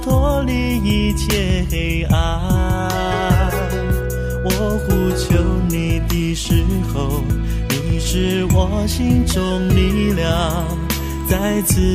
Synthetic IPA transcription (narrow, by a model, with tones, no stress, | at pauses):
t̪ʰwɔ˧˥li˧ | i˧t͡ɕʰjɛ˥˩xe˧˥ɪʔa˧ | wɔ˨˩ | xu˧t͡ɕʰjo˧˥ʊni˨˩t̪i˥˧˩ʂɻ̩˧˥xo˧ʊ | ni˨˩ʂɻ̩˥˧wɔ˨˧˦ɕi˥ŋʈ͡ʂʊ˧ŋli˧ljɑ˧ | ŋ | t͡sa˥˧ɪt͡sʰɹ̩˧